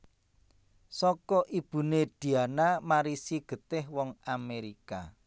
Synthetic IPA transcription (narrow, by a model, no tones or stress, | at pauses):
sɔkɔʔib̥ṳneɖ̪̥i̤anamaɾisiɡ̥ə̤t̪ɪhwɔŋameɾika